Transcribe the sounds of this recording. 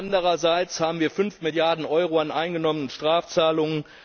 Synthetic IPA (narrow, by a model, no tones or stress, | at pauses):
andəʁɐzaɪt͡shaːbm̩viːɐfʏnfmɪljaɐdn̩ʔɔʏʁoanʔaɪnɡənɔmənənʃtʁ̥aːft͡saːlʊŋən